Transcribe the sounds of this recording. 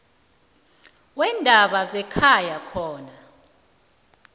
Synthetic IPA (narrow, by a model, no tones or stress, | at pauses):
wɛndʱaɓazɛkʰajakʰɔːna